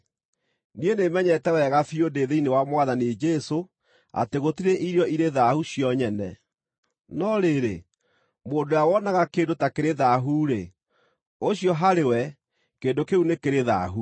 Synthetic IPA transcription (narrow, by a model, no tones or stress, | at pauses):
nienemɛɲɛtɛwɛɣafiodeːðeinewamwaðaned͡ʒɛso | a̰teɣotiɾeʔiɾjɔiɾeðahuɕijɔɲɛnɛ̰ | nɔɾeɾe | moːndojawɔnaɣakeːndotakeɾeðaɦuɾe | oɕiɔɦaɾewɛ | keːndokeunekeɾeða̰ɦu